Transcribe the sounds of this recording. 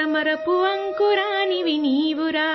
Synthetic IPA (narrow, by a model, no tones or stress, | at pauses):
ɐmɐɾɐpuʋɐŋkuɾaːniʋiniːʋuɾa